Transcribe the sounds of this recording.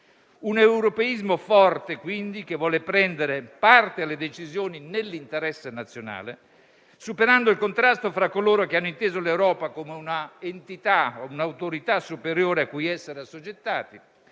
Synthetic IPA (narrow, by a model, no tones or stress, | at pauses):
unewɾopeizmofɔrt̪ekwind̪ik̟evːwɔːlepɾɛnd̪eɾepart̪ealːed̪et͡ʃizjoːninelːint̪eɾɛsːenat̪sːjona̰ːlḛ | supeɾand̪oilkont̪ɾast̪ofɾakːoloːɾok̟eanːoint̪eːzolewɾɔːpakomeunaent̪it̪aounawt̪oɾit̪asːupeɾjoːɾeakːujɛsːeɾeasod͡ʒet̪ːa̰ːt̪i